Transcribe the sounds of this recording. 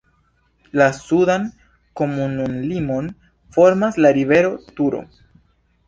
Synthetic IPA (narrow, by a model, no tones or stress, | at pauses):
lasudan | ko̞mununlimo̞n | fo̞ɾmaslaɾive̞ɾo̞tuɾo̞̰